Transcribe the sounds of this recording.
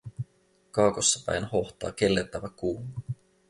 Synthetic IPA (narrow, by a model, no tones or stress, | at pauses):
kɑːkosːɑpæ̰jnho̞ht̪ɑ̰ːke̞lːert̪æʋækuːmu